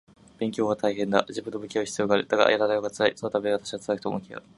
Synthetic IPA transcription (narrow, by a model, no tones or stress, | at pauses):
b̥ẽ̞ŋkʲo̞ːβat̪aiɦẽ̞nd̪aʑibɯ̟̃nːobɯ̟kʲioçi̥t͡sɨjo̞ːɡaːɾɯ̟d̪aɡa̰jaɾad̪ajoɡat͡sɨɾaḭsonot̪abeɡat̪ḁɕiat͡sɨɾakɯ̥t̪omokʲia̰